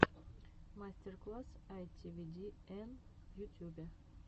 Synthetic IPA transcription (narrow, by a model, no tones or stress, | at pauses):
masʲt̪ʲerklˠasajt̪ʲʰivʲid̪ʲienjut̪ʲjube